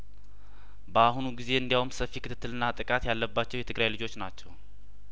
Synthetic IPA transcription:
bəaɦunuɡize̞ɨnd̪jawumsəfːikʰɨt̪ɨt̪ːɨlɨnːat̪ʼɨkʼat̪jalːəbːat͡ʃːɛwjɛt̪ʰɨɡɾajlɨd͡ʒo̞t͡ʃːnat͡ʃːɛw

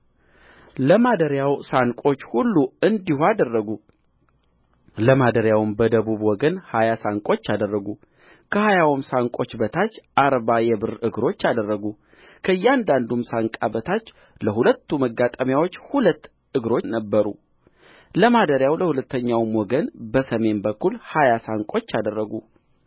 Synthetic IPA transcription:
ləmad̪əɾjawsaŋkʼo̞t͡ʃːhulːuɨnd̪ihuad̪ərːəɡu | ləmad̪əɾjawɨmbəd̪əβuβwɔɡənhajasaŋkʼo̞t͡ʃːad̪ərːəɡu | kʰəhajawmsaŋkʼo̞t͡ʃːbət̪ʰat͡ʃːʔaɾbajɛbɨrɨɡɾo̞t͡ʃːad̪ərːəɡu | kʰəɨjːɛand̪and̪umsaŋkʼabət̪ʰat͡ʃː | ləɦulət̪ːuməɡːat̪ʼəmjawo̞t͡ʃːhulət̪ː | ɨɡɾo̞t͡ʃːnəbːəɾu | ləmad̪əɾjawləhulət̪ːəɲːawmwɔɡənbəsəme̞nbəkʰːulhajasaŋkʼo̞t͡ʃːad̪ərːəɡu

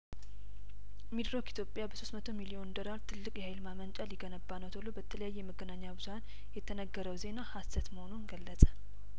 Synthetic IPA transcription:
mid̪ɾokit̪ʰjo̞pʼjabəsost̪mət̪ʰo̞milio̞nd̪o̞laɾt̪ʰɨlːɨkʼjɛhajlmamənt͡ʃʼaliɡənəbːanət̪ʰolobət̪ʰələjajːɛjɛməɡənaɲːabɨz̥uhan | jɛt̪ʰənəɡːəɾəwze̞nahasət̪məho̞nunɡəlːəsʼə̥

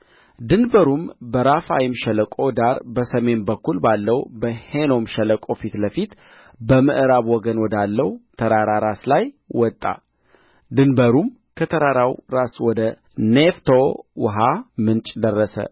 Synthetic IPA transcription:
d̪ɨnbəɾumbəɾafajɪmʃɛləkʼo̞d̪aɾbəsəme̞nbəkːulbalːəwbəheno̞mʃələkʼo̞fit̪ləfit̪ | bəmɨʔɨɾaβwɔɡənwɔd̪alːəwt̪ʰəɾaɾaɾaslaj | wɔt̪ʼːa̰ | d̪ɨnbəɾum | kʰət̪ʰəɾaɾawɾaswɔd̪ə | neft̪ʰowɦamɨnt͡ʃʼd̪ərːəsə̰

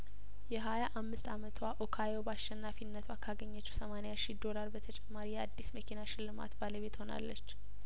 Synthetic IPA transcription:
jɛɦajaʔamːɨst̪amət̪ʰwaʔokʰajo̞baʃɛnːafinːət̪ʰwakʰaɡəɲːət͡ʃːɛsəmanejaʃid̪o̞laɾbət̪ʰət͡ʃʼɛmːaɾijɛad̪ːisməkʰinaʃɪlːɨma̰t̪baləβe̞t̪ho̞na̰lːət͡ʃː

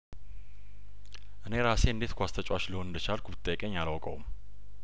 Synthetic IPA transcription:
ʔɨne̞ɾase̞ɨnd̪e̞t̪kʰʷast̪ʰət͡ʃʼwat͡ʃləho̞nɨnd̪ət͡ʃalkʰʷubɨt̪ʼːəjkʼeɲːalawkʼəwm

